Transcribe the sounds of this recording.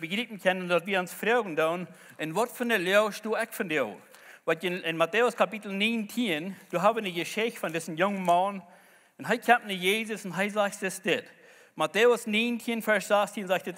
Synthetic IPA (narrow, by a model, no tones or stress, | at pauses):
bəɡɾiːp̚m̩kʰɛnndɔtviːəʊnsfɾoʊɡŋ̩doːn | ɪnvɔtfɪndəlɛʃtoːɛkfɔndɪoː | vɔəɪnmatʰeːʊskʰapitl̩ˠniːntʰiənd̥uɦaːbənəɡəʃɪçtfɔndɪsn̩jʊŋəman | ɪnɦaɪkʰɛmtnəjeːzʊsɪnɦaɪzaːçtd̥ɪsd̥ɪt | matʰeʊsniːntʰiənfɛɹsz̥astʰiənzaːçd̥ɪt